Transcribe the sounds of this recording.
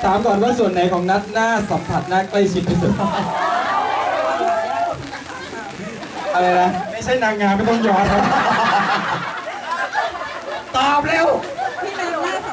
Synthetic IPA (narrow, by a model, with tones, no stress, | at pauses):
sʰaː˩˦mkɔː˨˩nwaː˥˩su˨˩ənːa˨˩˦jkʰɔː˩˦ŋna˦˥t̪̚naː˥˩sa˨˩˦mp̪ʰa˨˩t̪̚na˦˥kla˥˩jt͡ɕʰi˦˥t̪̚ɾʰiː˦˥˩su˨˩t̪̚a˥˩ | ʔa˧ɾa˧jla˦˥ma˥˩jt͡ɕʰa˥˩jnaː˧ŋːaː˧nma˥˩t̪ɔ˥˩ŋjɔː˧naː˦˥w | t̪aː˧p̚lɛː˦˥˩w